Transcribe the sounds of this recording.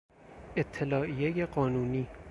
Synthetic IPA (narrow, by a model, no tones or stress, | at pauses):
ʔe̞t̪ʰːelɒːʔijejeɢɒːnuːniː